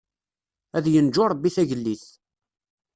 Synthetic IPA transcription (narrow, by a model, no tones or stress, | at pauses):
æðjənd͡ʒʊɾˤbːiθæʝəlːiθ